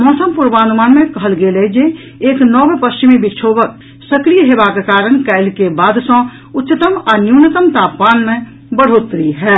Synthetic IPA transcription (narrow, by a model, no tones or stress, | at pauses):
mɔːsəmpʊɾbaːnumaːnmẽkɐɦəlɡeːled͡ʒe | eːknɔːbepəst͡ʃimibɪt͡ʃʰoːbək̚ | səkɾijəɦeːbakekaːɾəɳ̃kɛɪlkebaːd̪sə̃ | ʊtːʃɪt̪əmanjunət̪əmt̪aːpːaːnmẽ | bəɽ̤oːt̪ɾiɦɛː